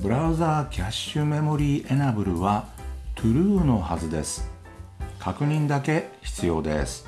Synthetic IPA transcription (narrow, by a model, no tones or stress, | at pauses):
bɯ̟ɾaɯ̟zaːkʲʰaɕːɨme̞mo̞ɾʲiːʔe̞nabɯ̟ɾɯ̟βat̪ʰɯ̟ɾɯ̟ːno̞hazɨd̪e̞̰sɨ̥ | kʰakɯ̟ɲ̟ĩnd̪ake̞çi̥t͡sɨjo̞̰ːd̪e̞̰sɨ̥